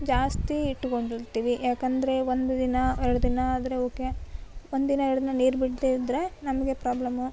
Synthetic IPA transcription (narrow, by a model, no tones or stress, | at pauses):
d͡ʒaːst̪iːʈːuko̞ɳɖiɾt̪iːʋijaːkɐnd̪ɐɾe̞ʋond̪ud̪inɐɛɾɐɭud̪inɐːd̪ɐɾeoːke̞ond̪inɐɛɾɐɭud̪inɐniːɾbiɽleid̪ɾe̞nɐmɐɡe̞pɾaːblɐmu